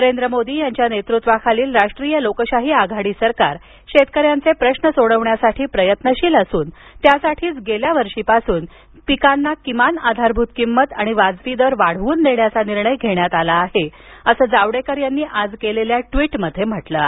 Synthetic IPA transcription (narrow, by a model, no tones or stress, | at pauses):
nəɾend̪ɾəmod̪iːjaɲt͡ɕjanet̪ɾut̪ʋakʰaliːlɾaʂʈɾiːjəlokɕaɦiːaɡʱaɽiːsəɾkaɾ | ɕet̪̚kəɾjant͡sepɾəɕnəsoɽəʋɳjasaʈʰiːpɾəjət̪nəɕiːləsuːnt̪jasaʈʰiːt͡sɡeljaʋəɾʂiːpasuːn | pikanːakimanad̪ʱaɾbʱut̪kimːət̪aɽ̃iʋad͡zʋid̪əɾʋaɽ̤ʋuːnd̪eɳjat͡saniɾɳəjɡʱeɳjat̪alaːhe | əsəːd͡zaʋɽekəɾjanːiːʔad͡zkeleljaʈʋiʈməd̪ʱjem̤əʈlə̰